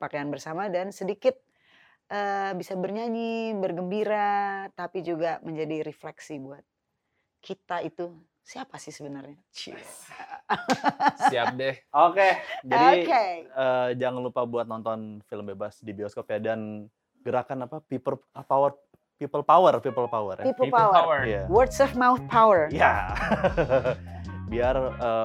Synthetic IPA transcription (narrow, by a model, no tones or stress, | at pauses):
pakajanbərsamadansədikɪt̪̚ | ʔəbisabərɲaɲibərɡəmbiɾat̪apid͡ʒuɡaməɲd͡ʒadiɾɛflɛksibuat̪̚ | kʰit̪ait̪u | siapasɪhsəbənarɲat͡ʃɪ̰s | siap̚dɛhoked͡ʒadikeəːd͡ʒaŋanlupabuat̪̚nɔnt̪ɔnfiləmbebasdibioskopiadan | ɡ̥əɾakanapapipələpawər | pipəlpawərpipəlpawərʔapipəpawjawərdsɔfmawθ̚pʰawərija | biarə